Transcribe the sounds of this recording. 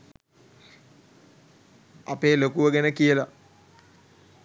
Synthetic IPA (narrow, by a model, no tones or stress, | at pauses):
apeːlokuʋəɡenəkijəla